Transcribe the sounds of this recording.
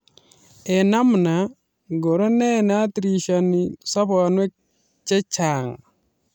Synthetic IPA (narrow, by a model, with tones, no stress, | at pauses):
ɛ˨na˦mna˨ | ɡo˨ɾɔ˦nɛ˦na˦tɾi˨ʃa˨ni˨sa˦bɔ˨nwɛ˦k̚ | t͡ʃɛ˦t͡ʃa˨ŋ